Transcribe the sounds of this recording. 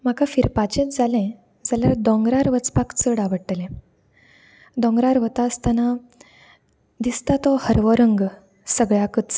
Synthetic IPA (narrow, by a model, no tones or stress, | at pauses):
m̤akafiɾpat͡ɕẽt̪d͡zalɛ̃ | d͡zaljaɾd̪ɔ̃ŋɡɾaɾʋət͡spakt͡səɽaʋəʈːlɛ̃ | d̪ɔ̃ŋɡɾaɾʋət̪aəst̪ana | d̪ist̪at̪ɔhəɾʋɔɾəŋɡ | səɡɭjakət͡s